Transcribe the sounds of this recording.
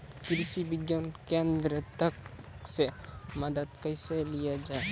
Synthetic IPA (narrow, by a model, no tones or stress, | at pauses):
kɾisibiɡjankẽnd̪ɾət̪əkseməd̪əd̪̚kəɪselijad͡ʒae